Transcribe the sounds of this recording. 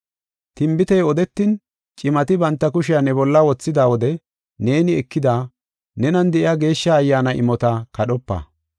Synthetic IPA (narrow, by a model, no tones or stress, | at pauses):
t̪ɪmbɪt̪ɛjɔd̪ɛt̪ːɪn | t͡ʃʼɪmɐt̪ɪbɐnt̪ːɐkʊʃɪjanɛbɔlːɐwɔt͡sːɪd̪aːwɔd̪ɛ | ne̞ːnɪɛkːɪd̪aː | nɛnɐnd̪ɛʔɪaɡe̞ːʃːaːjːaːnɐʔɪ̰mɔt̪ɐkɐɗɔpːɐ̰